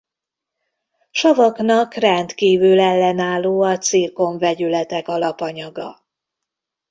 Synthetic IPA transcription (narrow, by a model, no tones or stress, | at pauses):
ʃɒvɒknɒkrɛnt̪kiːvylɛlːɛnaːlːoːɒt̪siːrko̞ɱvɛɟylɛt̪ɛkɒlɒpɒɲɒɡɒ̰